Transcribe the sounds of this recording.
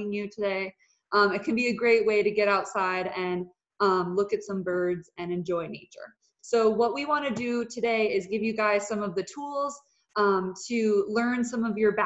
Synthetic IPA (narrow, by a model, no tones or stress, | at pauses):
ɪ̃ŋjɨtʰɨdeɪ | ʔʌ̃mɨt̚kʰɨ̃n̩biɨɡɹeɪt̚weɪɾɨɡɛɾaʊtsaɪɾɨ̃n | ʌ̃mlʊkɨtsʌ̃mbɜ˞dz̥ɨ̃nɨ̃nd͡ʒɔɪneɪt͡ʃə̰˞ | soʊwʌt̚wiwɑ̃ñɨdɨtʰɨdeɪɪzɡɪvjɨɡaɪz̥sʌ̃mʌvðɨtʰulˠz̥ | ʌ̃mtʰɨlɜ̃˞nsʌ̃mʌvjə˞bæ